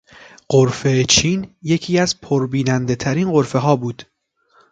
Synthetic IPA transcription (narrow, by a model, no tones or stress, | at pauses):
ɢ̥oɾfe̞t͡ʃʰiːnje̞cʰiːæzpʰoɾbiːnænd̪e̞t̪ʰæɾiːnɢo̞ɾfe̞ɦɒːbuːd̪̥